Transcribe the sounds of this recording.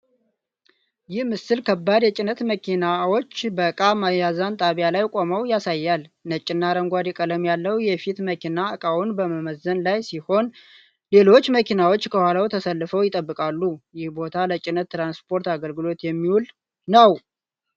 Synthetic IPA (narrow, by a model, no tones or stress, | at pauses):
jɪhmɨsɨlkʰəbːad̪jɛt͡ʃʼɪnət̪məkʰinawo̞t͡ʃːbəkʼamajazant̪ʼaβijalajkʼo̞məwjasajːalnət͡ʃʼːɪnːaɾəŋɡʷad̪ikʼələmjalːəwjɛfit̪məkʰinaɨkʼawunbəməməzːənlajsiho̞n | le̞lo̞t͡ʃːməkʰinawo̞t͡ʃːkʰəhwalawt̪ʰəsəlːɨfəwjɪt̪ʼəbːɨkʼalːujɪhbo̞t̪ʰalət͡ʃʼɪnət̪ːɾanspʰo̞ɾt̪aɡəlɡɨlo̞t̪jɛmːiwul | nəw